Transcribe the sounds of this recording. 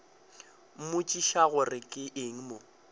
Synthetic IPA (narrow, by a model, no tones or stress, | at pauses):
m̩mʊt͡ʃʼiʃaɣʊrɪkʼɪʔeŋ̩mo